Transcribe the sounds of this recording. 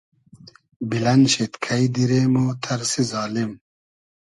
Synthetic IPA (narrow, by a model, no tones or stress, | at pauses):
bilɐnɕet̪kʰɐjd̪iɾeːmoːt̪ʰɐɾsizɑːlim